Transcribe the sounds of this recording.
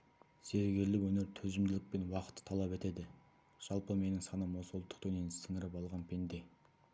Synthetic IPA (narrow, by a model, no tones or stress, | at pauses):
z̥e̞ɾɡʲe̞lːɪwɵne̞ɾt̪ʰɵzɪmd̪ɪlʲɪk̚pe̞nwɑqə̥t̪ːə̥t̪ʰɑlˠɑpe̞t̪e̞d̪ɪ | ʒ̥ɑlˠpəme̞nɪŋsɑnəmo̞sulˠət̪ːəq̚t̪ʰɵnensɪŋɪɾɪpɑlˠʁɑnpʰe̞nd̪e̞